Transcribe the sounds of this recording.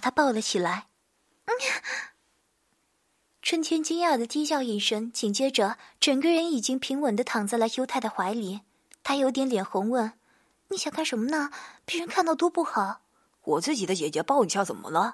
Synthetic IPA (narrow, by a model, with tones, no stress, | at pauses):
t̪ʰa˥pɑ˥˩ʊlə˩˦t͡ɕʰi˨˩la˧˥ɪ˥ | ʈ͡ʂʰwə˥nt̪ʰjɛ˥nt͡ɕi˥ŋa˞˥˩d̪ə˩t͡ɕi˥ɕ̬jɑ˥˩ʊi˨˩nʂə˥ŋt͡ɕʰi˨˩ŋt͡ɕjɛ˥ʈ͡ʂə˩˦ʈ͡ʂɤ˨˩ŋɡə˧ɻə˧˥ni˨˩t͡ɕi˥ŋpʰi˧˥ŋwə˨˩nd̪ə˦t̪ʰɑ˨˩ŋt͡sa˥˩la˧˥ɪjo˥ʊt̪ʰa˥˩ɪd̪ə˩xwa˧˥ɪli˧˩˦ | t̪ʰa˥jo˧˥ʊt̪̬jɛ˧˥nljɛ˨˩nxʊ˧˥ŋwə˥˩n | ni˧˥˩ɕjɑ˨˩ŋkʰa˥˩nʂə˧˥nmə˧nə˧pe˥˩ɻə˥nkʰa˥˧nt̪ɑ˥˧ʊt̪o˥pu˥˩xɑ˨˩˦ʊ | wɔ˨˩t͡sɹ̩˥˩t͡ɕi˨˩ə˦t͡ɕjɛ˨˩t͡ɕɥɛ˧˥pɑ˥˧ʊi˨˩ɕʰjɑ˥˩t͡sə̰˨˩nmə̰˦lə˧